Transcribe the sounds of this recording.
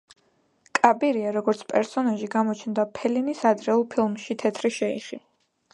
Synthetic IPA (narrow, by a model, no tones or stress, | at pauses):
kʼabiɾiaɾɔɡɔɾt̪sʰpʼɛɾsɔnaʒiɡamɔt͡ʃʰnd̪apʰɛlinisad̪ɾɛulˠpʰilˠmʃit̪ʰɛt̪ʰɾiʃɛḭχi